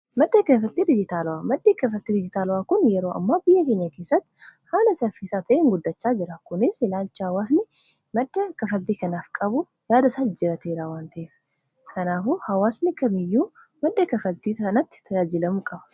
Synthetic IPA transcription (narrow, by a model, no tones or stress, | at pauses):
mɐd̪ːɐkɐfɐlt̪iːd̪ɪd͡ʒɪt̪aːlʊwamɐd̪ːeːkɐfɐlt̪ːiːd̪ɪd͡ʒɪt̪aːlʊwaːkʊnjɛɾo̞ːʔɐ̰mːaːbɪjːɛkeːɲːɐke̞ːsːɐt̪ːhaːlɐsɐfɪsaːt̪ʰɐʔeŋɡʊd̪ːɐt͡ʃːaːd͡ʒɪɾɐkʊnɪsɪlaːlt͡ʃːɪhɐwaːsnɪ | mɐd̪ːɐkɐfɐlt̪iːkɐnaːfkʼɐbʊ | jaːd̪ɐsald͡ʒɪɾɐt̪ʰeːɾaːwaːnt̪ʰɐʔeːf | kʰɐnaːfuːhɐwaːsnɪkɐmɪjːuː | mɐd̪ːɐkɐfɐlt̪iːɐnɐt̪ːɪ̥t̪ʰɐjaːd͡ʒɪlɐmukʼɐbɐ̥